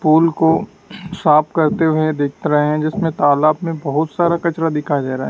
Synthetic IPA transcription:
puːlko | saːpkɐɾt̪eɦʊed̪eːk̚ʰt̪eɾɐɦeɦɛ̃d͡ʒɪsmẽt̪aːlaːbmẽbɐɦʊt̪saːɾakɐt͡ʃɾad̪ɪkʰad͡ʒaːɾaːɦɛ

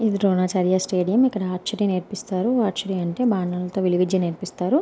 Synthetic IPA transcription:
id̪iɾoːnaːt͡ʃaːɾijasʈeːɖijɐmikːɐɽɐaːʈt͡ʃɐɾineɾpist̪aːɾuaːʈt͡ʃɐɾiɐɳʈe̞ːbaːɳːɐlɐt̪o̞ːʋiliʋid̪jɐneɾpist̪aːɾu

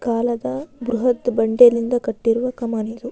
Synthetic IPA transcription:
kaːlɐd̪ɐbɾuɦɐt̪bɐɳɖelind̪ɐkɐʈːiɾuʋɐkɐmaːnid̪u

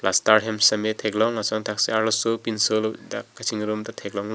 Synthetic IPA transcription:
plastaɾɦemsɐmetʰeklɔŋasɔŋtʰakseaɾɔsupinsɯldakʰasʰiŋɾumtatʰek̚lɔŋ

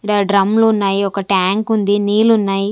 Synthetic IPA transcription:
ɽaɖɾɐmlounːaːjiɔkɐʈaːŋkund̪iniːlunːaːji

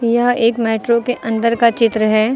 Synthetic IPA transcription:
jɐɦeːkmɛːʈɾokeʔɐ̃nd̪əɾkat͡ʃɪt̪ɾəɦɛː

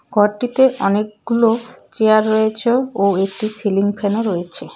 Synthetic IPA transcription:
ɡʱɔɾʈit̪eʔɔnek̚ɡulot͡ɕeaɾːojet͡ɕʰeoek̚ʈisiliŋpʰenoɾojet͡ɕʰe

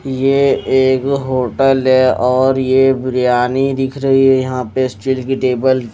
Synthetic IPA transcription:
jeeːkɦoːʈəlɦɛɔːɾjebɾjaːnid̪ɪkʰɾəɦiɦɛjɐɦãpesʈɪlkiʈeːbəl

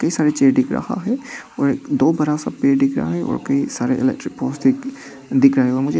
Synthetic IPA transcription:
kɐɦisaːɾet͡ʃeːɾɖɪkɾɐ̰ha̰ɦɛɔːɾeːkd̪oːbɐɾasapeːɾɖɪkʰɾaaɦɛʔɔ̰ːɾkɐisaːɾeʔɪ̰lɛ̰k̚ʈɾɪkpɔːsd̪ɪk | ɖ̪ɪkɾaɦɛɔːɾmʊd͡ʒʱe

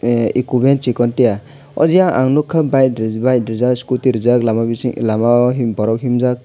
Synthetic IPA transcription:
ikubent͡ʃikɔntija | ɔ̰zijaʔaŋnukʰːabajtɾbajtɾizaskutiɾizaklamabilamaɦimbɔɾɔk̚ɦimzak̚

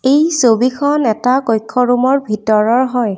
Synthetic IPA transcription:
ejsobikʰɔnɛtakojkʰːɔɹumɔɹbʱitɔɹɔɹɦɔj

